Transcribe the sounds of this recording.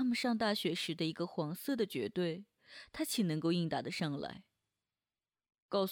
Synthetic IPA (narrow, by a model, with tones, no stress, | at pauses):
a˥mə˨˧nʂɑ˥˧ŋt̪a˥˩ɕɥɛ˧˥ʂɻ̩˧˥d̪ə˧i˧˥ɡə˧xwɑ˧˥ŋsɤ˥˩d̪ə˩t͡ɕɥɛ̰˧˥t̪we˥˩ɪ | t̪ʰa˥t͡ɕʰi˨˩nɤ˧˥ŋko˥˧ʊi˥˩ŋt̪a˨˩d̪ə˨ʂɑ˥˧ŋla̰˧˥ɪ | kɑ˥˧ʊs